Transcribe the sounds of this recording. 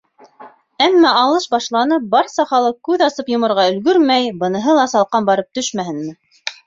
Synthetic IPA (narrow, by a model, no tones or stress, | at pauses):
æmːæɑlˠɤʃbɑʃlˠɑnɤp̚bɑɾsɑχɑlˠɤq̚kːʉðɑsɤpjŏmɤ̆ɾʁɑɵ̆lɡɵɾmæjbɤ̆nɤ̆ɦɤlˠɑsɑlˠqɑnbɑɾɤp̚t̪ɵʃmæhɘ̆nmɘ